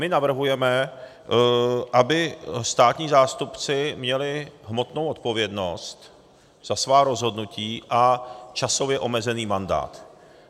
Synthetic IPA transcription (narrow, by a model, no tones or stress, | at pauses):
mɪnavr̩ɦujɛmɛ | ʔabɪst̪aːt̪ɲiːzaːst̪upt͡sɪmɲɛlɪɦmo̞t̪no̞wo̞t̪po̞vjɛdno̞st̪ | z̥asvaːɾo̞zɦo̞dnuciːʔat͡ʃaso̞vjɛʔo̞mɛzɛniːmanda̰ːt̪